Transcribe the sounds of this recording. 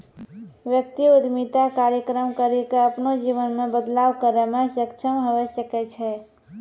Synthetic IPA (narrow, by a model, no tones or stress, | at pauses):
ʋjəkt̪iud̪mit̪akaɾjəkɾəmkəɾikeəpnod͡ʒiʋənmẽbəd̪laʋkəɾemẽʃəkʃʰəmɦəʋəʃəkɛt͡ʃʰɛ